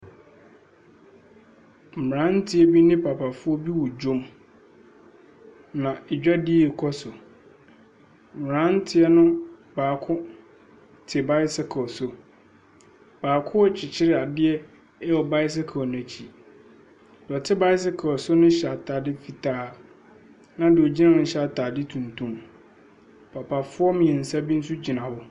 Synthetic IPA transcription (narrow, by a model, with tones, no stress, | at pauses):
m̩˨m˨ɾã˦n̩˦tʰɪ˦ɛ˦bi˦nɪ̃˦pʰa˨pʰa˨fʊ˦ɔ˦bi˦wɔ˨d͡ʑõ˦m | nã˨ɛ˨d͡ʑᶣa˦di˦˨kʰɔ˦sʊ˨ | m̩˨m˨ɾã˦n̩˦tʰɪ˦ɛ˦nʊ̃˦ | baː˨kʰʊ̃˦ | tʰɪ˨ba˦ɪ˦sɪ˦kʰɔ˨sʊ˦ | b̥aː˨kʰʊ˦ɔ˨t͡ɕʰɪ˨t͡ɕʰɪ˦ɾɪ˦a˨dɪ˦ɛ˦ | ɛ˦wɔ˨ba˦ɪ˦s̬ɪ˦kʰa˨ɔ˨nʊ̃˦æ˨t͡ɕʰi˨ | dɔ˨tʰɪ˦ba˦ɪ˦s̬ɪ˦kʰɔ˨ɔ˨sʊ˦nʊ̃˦ɕɛ˨a˨tʰaː˨dɪ˦fi˨tʰaː˦ | nã˦dɪ˨ɔ˨d͡ʑi˦nã˦˨nʊ̃˨˦ɕa˨tʰaː˨dɪ˦tʰũ˨ntʰũ˦m | pʰa˨pʰa˨fʊ˦ɔ˦mĩ˨ɛ̃˨n̩˨sa˦bi˦n̩˦su˦d͡ʑi˨nã˨hʊ˦